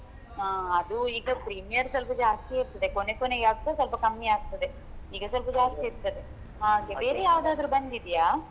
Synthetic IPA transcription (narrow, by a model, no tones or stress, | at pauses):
aːɐd̪uiːɡɐpɾiːmijɐɾsʋɐlpɐd͡ʒaːst̪iiɾt̪ɐd̪e̞konekoneɡaːɡ̚ut̪ːɐs̬ɐlpɐkɐmːiaːɡ̚t̪ɐd̪e̞ | iːɡɐsɐlpɐd͡ʒaːst̪iiɾt̪ːɐd̪e̞ | ɦaːɡebe̞ːɾejaːʋd̪aːd̪ɾubɐnd̪id̪ijaː